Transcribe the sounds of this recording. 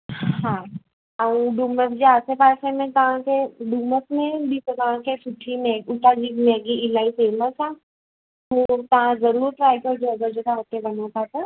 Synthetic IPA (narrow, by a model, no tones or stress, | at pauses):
hãː | ɐũɖuːməkd͡ʒeaːsepaːɾsemẽt̪ɐʋ̤ãkʰeɖuːməkmẽbist̪ɐʋ̤ãkʰesʊʈʰimeɡʊʈad͡ʒiːmeːɡiɪlaːiseːməsʰã | oːɾt̪ɐɦãzɐɾuːɾʈɾaːɪpəd͡ʒoɐɡəɾd͡ʒot̪ʰaɦot̪ebɐnatʰat̪a